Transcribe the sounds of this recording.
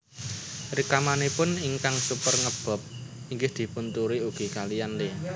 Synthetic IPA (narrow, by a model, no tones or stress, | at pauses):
rikamanepʊniŋkaŋsupərŋəb̥ɔ̤p̚ | iŋɡɪhd̪̥i̤pʊnt̪uɾiuɡ̥i̤kalijanle